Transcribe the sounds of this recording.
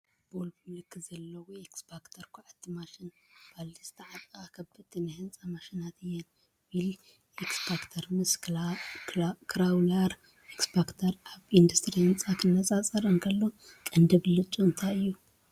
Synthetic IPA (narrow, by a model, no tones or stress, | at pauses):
bolbimɨlɨkʰːɨzɐlːɐweksbakt̪ʰɐɾkʰuʕat̪ʰːimaʃin | b̥ald̪ist̪ʰɐʕat̪ʼɨxʼakʰɐbɨt̪ʰːinɨhɨnt͡sʼamaʃinat̪ɨjːɛn | bil | ʔeksbakt̪ʰɐɾmɨs | kʰɾawlaɾ | ʔeksbakt̪ʰɐɾaβind̪ust̪ʼɾihɨnt͡sʼakʰɨnːɐt͡sʼat͡sʼɐɾɨŋkʰɐlːokʼɐnd̪ɐβlɨt͡ʃʼunt̪ʰajɨjːu